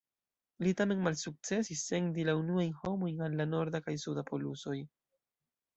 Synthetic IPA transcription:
litame̞nmalsuk̚t͡se̞sisːe̞ŋdilaunuajnho̞mo̞jnanlano̞ɾdakajsudapʰo̞luso̞j

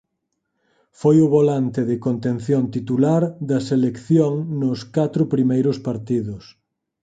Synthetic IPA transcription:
fojʊβolant̪ɪðɪkont̪ẽnθjont̪it̪ulaɾd̪ɐselekθjoŋnʊskat̪ɾʊpɾimejɾʊspaɾt̪iðʊs

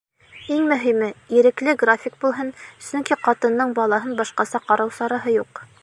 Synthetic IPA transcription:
iŋmɵ̆ɦimɘiɾɘ̆klɘɡrafʲik̚bulˠɦɤnsɵŋkiqɑt̪ɤ̆nːɤɴbɑlˠɑɦɤnbɑʃqɑsɑqɑɾɑwsɑɾɑɦɤjuq

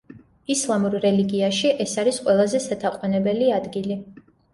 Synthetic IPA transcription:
islˠamuɾɾɛliɡiaʃiʔɛsaɾisqʼwɛlˠazɛsat̪ʰaqʼwanɛbɛliad̪ɡili

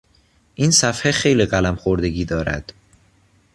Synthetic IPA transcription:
ʔiːnsæfhexe̞jliːɣælæmxoɾd̪e̞ɡiːd̪ɒːɾæ̰d̪̥

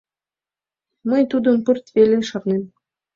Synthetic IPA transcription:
mɤ̆jt̪ud̪ɤ̆mpɤ̆rt̪velʲeʃɑrnem

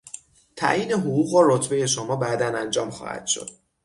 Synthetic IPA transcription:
t̪ʰæ̰ʔjiːneɦoɣuːɣɒɾot̪ʰbe̞je̞ʃomɒːbæd̪ænænd͡ʒɒːmxɒ̰ːhæ̰d̪̥ʃo̞̰d̪̥

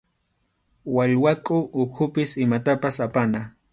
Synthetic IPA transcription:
waʎwakʼʊʔːkʰʊpɪsɪmat̪apasapana

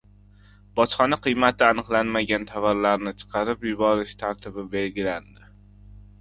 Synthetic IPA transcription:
bɒt͡ʃχɒnaqɨjmat̪ʰɪanɨqlˠanmaɡʲant̪ʰavaɾlaɾnɪt͡ʃʰɨ̥qʰɑɾɪpjʊbɒɾɪʃt̪ʰaɾt̪ʰɪbɪbe̞lɡʲɪland̪ɪ

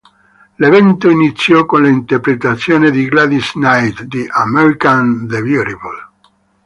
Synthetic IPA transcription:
levɛnt̪oinit̪sːjɔkonlaint̪erpɾet̪at̪sːjoːned̪iɡlad̪isnajt̪d̪iʔamɛɾikand̪eviɾibal

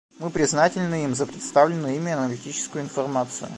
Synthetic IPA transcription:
mɨpɾʲɪznatʲɪlʲnɨimzəpɾʲɪt̪st̪avlʲɪnɨimʲɪɐnəlʲɪtʲit͡ɕɪ̥skʊjʊɪnfɐrmat̪sɨjʊ̰

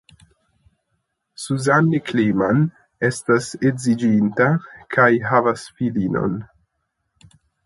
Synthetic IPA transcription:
suzanːikliman | e̞staseɡzid͡ʒintakʰajɦavasfilino̞̰n

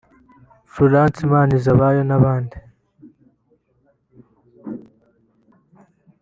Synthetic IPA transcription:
fuɾaːnt͡simaːnizaβaːjonaβaːndi

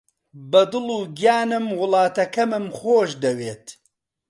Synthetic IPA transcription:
bɐd̪ɨluːɡijaːnɨmwʊlˠɑːt̪ɐkɐmɨmxoːʃd̪ɐweːt̪

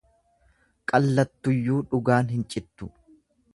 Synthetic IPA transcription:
kʼɐlːɐt̪ːʊjːuːᶑʊɡaːnɦɪnt͡ʃʼɪt̪ːʊ

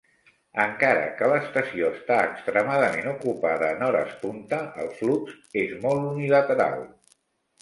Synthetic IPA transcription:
əŋkaɾə̰kələːst̪əsioəst̪aəkst̪ɾəmaðəmenukupaðəːnɔɾə̰spunt̪əəlˠflukz | ezmɔlˠt̪unilət̪əɾa̰lˠ

